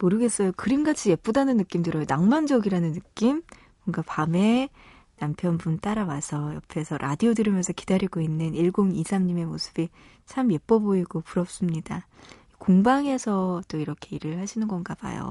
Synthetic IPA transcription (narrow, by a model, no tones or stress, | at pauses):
moɾɯɡe̞s͈ʌjokɯɾimɡat͡ɕʰije̞p͈udanɯnːɯk͈imdɯɾʌjonaŋmand͡ʑʌɡiɾanɯnːɯk͈im | mʌŋɡapame̞ | nampʰjʌnbunt͈aɾawasʰʌjʌ̰pʰe̞sʰʌɾʔa̰diodɯɾimjʌnsʰʌki̥daɾiɡoinːɯniɭɡoŋisʰamɲime̞mosʰɯ̥b̥i | t͡ɕʰamje̞p͈ʌboiɡopuɾʌp̚s͈ɯmɲida | ikoŋbaŋe̞sʰʌt͈oiɾʌkʰe̞iɾɯɭhaɕʰinɯnɡʌnɡab̥a̰jo̰